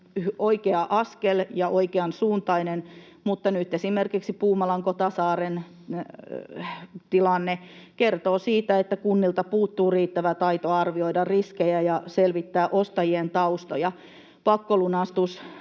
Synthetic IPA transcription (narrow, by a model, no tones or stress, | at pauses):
oikeɑʔɑskeljɑʔoikeɑnsuːnt̪ɑinen | mut̪ːɑnyt̪ːesimerkiksipuːmɑlɑŋkot̪ɑsɑːren | t̪ilɑnːekert̪oːsiːt̪æet̪ːækunːilt̪ɑpuːt̪ːuːriːt̪ːæʋæt̪ɑit̪oɑrʋioidɑrriskejæjɑselʋit̪ːæːʔost̪ɑjient̪ɑust̪ojɑ | pɑkːolunɑst̪us